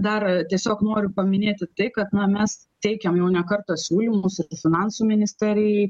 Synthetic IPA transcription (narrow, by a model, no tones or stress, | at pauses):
d̪ɐrt̪ʲiɛsʲoːknoːɾʲʊpɐmʲɪnʲeːt̪ʲɪt̪ɐɪkɐt̪nɐmʲɛs | t̪ʲɛɪkʲɛmjɛʊnʲɛkɐrt̪osʲuːlʲimʊsɪfʲɪnɑnsuːmʲɪnʲɪsʲt̪ʲɛɾʲɪjɛɪ